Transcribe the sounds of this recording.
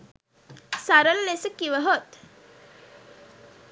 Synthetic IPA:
saɾəllesəkiʋəɦot̪

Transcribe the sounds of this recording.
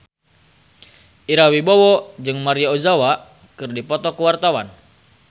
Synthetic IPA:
ʔiɾawibɔwɔd͡ʒɨŋmaɾiaozawa | kɨrdipɔt̪ɔkuwart̪awan

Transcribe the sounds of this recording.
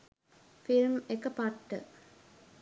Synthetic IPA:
filmekəpaʈːə̰

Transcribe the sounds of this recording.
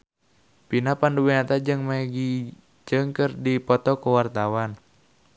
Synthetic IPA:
pinapanduwiat̪ad͡ʒɨŋmaɡi | d͡ʒəŋkərdipɔt̪ɔkəwart̪awan

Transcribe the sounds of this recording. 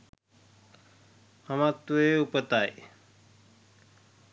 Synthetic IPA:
həmãːt̪ueupət̪aːe

